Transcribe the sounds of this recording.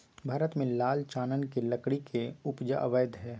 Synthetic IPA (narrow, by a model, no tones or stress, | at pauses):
bʱaːɾət̪mẽlaːlt͡ʃaːnənkelɐkɽikʰeʊpd͡ʒa̰ʔəʋəjd̪ɦɛː